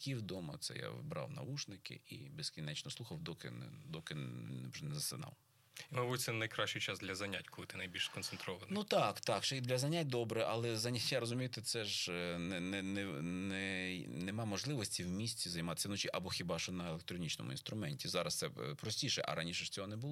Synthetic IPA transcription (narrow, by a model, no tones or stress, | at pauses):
kʲiwd̪ɔmɐ̰t̪sɛ̰ja̰ʋbɾɑ̰wnɐ̰ut͡ʃnɪkɪ̰ḭbeskʲinɛt͡ʃnɔsˠuxɐwd̪ɔkɪ̰nɛd̪ɔkɪwʒɛnɛzɐsɪnɑ̰w | imɐbujɪsʲɛnɐjkɾɑʃt͡ʃʊjt͡ʃɑzd̪lʲɐzɐnʲatʲkɔlˠɪt̪ɪnɐjbʲilʲʃskɔnsent̪ɾɔʋɐnnut̪ɑkt̪ɑkʃɛid̪lʲɐzɐnʲat̚ʲd̪ɔbɾɛʔɐlˠɛzɐnʲɐtʲjaɾɔzʊmʲijʊt̪ɪt̪sɛʒnɛnɛnɛnɛnɛmɑmɔʒlˠɪʋɔsʲtʲiwmʲisʲtʲizɐjmɑt̪ɪ̥sʲɐnɔt͡ʃʲiʔɐbɔxʲibɑʃɔnɐelˠek̚t̪ɾɔnʲit͡ʃnɔ̰mʊ̰ḭn̪st̪ɾʊmɛnʲtʲizɑɾɐst̪sɛpɾɔsʲtʲiʃɛ̰ʔɐ̰ɾɐnʲiʃɛʂt͡sʲɔɦɔnɛbʊlˠɔ